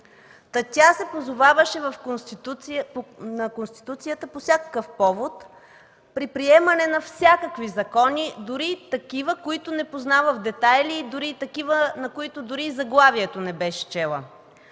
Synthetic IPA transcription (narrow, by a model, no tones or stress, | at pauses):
t̪ɐt̪ʲasɛpozovavəʃɛvɐf | nɐkonst̪i̥t̪ut̪sijət̪əpofsʲjakə̥kəfpɔvot̪ | pɾipɾiɛmɐnɛnɐfsʲakəkvizɐkɔnid̪ʊɾit̪ɐkivəkoit̪ʊnɛpoznavəvd̪ɛt̪ajliːd̪ʊɾiːt̪ɐkivənɐkoit̪ʊd̪ʊɾizɐɡlˠaviɛt̪onɛbɛʃɛ̥t͡ʃɛlˠə̰